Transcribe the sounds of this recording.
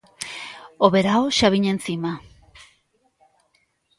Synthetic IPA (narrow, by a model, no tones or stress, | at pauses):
oβe̞ɾaoʃaβiɲe̞nsima